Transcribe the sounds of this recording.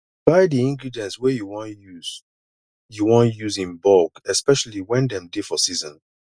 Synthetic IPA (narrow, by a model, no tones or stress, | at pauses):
b̥aɪdiĩŋɡɹidiɛ̃ntswɛjuwɔ̃njuz | juwɔ̃njuzĩnbɔkɛspɛʃaliwɛ̃ndɛ̃mdefɔsizɔ̃n